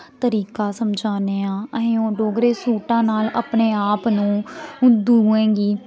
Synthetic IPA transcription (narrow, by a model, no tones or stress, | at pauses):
t̪əɾiːkaːsəmd͡ʒaːneːãːəɦẽːõːɖoːɡɾeːsuːʈãːnaːləpɳeːaːpnũːʊd̪uɛ̃ːɡiː